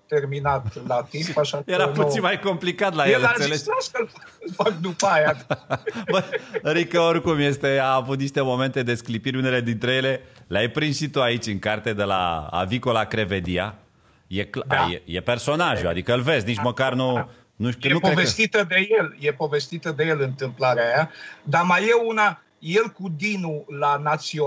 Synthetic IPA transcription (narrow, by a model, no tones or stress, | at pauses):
t̪erminat̪lat̪impaʃajeɾapput̪sinmajko̞mplikat̪lajelɨnseleaskəlfafakd̪upaja | bəɾikəorkumje̞st̪e̞aːvut̪̚niʃt̪e̞mo̞me̞nt̪e̞d̪e̞sklipiɾʲune̞le̞d̪int̪ɾe̞je̞le̞leajpɾinʃitt̪oait͡ʃʲɨŋkart̪e̞d̪e̞la̰a̰viko̞lakɾe̞ve̞d̪ia̰ | jekljḛjepe̞rso̞naʒua̰d̪ikəɨlve̞znit͡ʃməkarnu | nujeukovest̪it̪əd̪e̞je̞ljepo̞ve̞st̪it̪əd̪e̞je̞lɨnt̪ɨmplaɾeajad̪amajeuna | jelkud̪inulanat̪sio